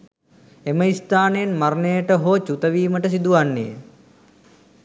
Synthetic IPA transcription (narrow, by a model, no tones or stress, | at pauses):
eməist̪aːnejenmaɾnejəʈəɦoːt͡ʃut̪əʋiːməʈəs̬id̪uʋanːḛjə̰